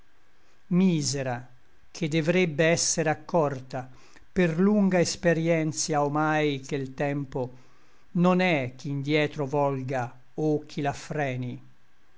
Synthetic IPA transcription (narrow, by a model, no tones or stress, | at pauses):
miːzeɾa | kʰed̪ːevɾebːeɛsːeɾeakːɔrt̪a | perluŋɡaespeɾjɛnt̪sjaomajkelt̪ɛmpo | nonɛk̟ːind̪jɛːt̪ɾovɔlɡa | okʰːilafɾɛːni